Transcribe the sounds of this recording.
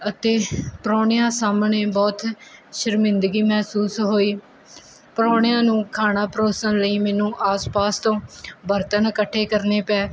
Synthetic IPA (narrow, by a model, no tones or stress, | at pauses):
ət̪eːpɾɔːɳɪjãːsaːmneːbɔːt̪ʃəɾmɪ̃nd̪ɡiːmɛːsuːsɦoːiː | pəɾɔːɳjãːnũːkʰaːnãːpəɾoːsənləiːmɛːnũːʔaːspaːst̪õːbəɾt̪ənkəʈʰːeːkəɾneːpɛː